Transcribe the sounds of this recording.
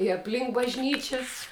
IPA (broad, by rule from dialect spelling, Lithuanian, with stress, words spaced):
ɪ ɐpʲˈlʲɪŋk bɐʒʲˈnʲiːt͡ʃʲɛs